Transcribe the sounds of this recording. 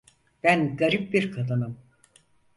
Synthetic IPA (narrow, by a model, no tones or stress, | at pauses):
b̥ænɡaɾip̚biɾkʰad̪ɯnɯm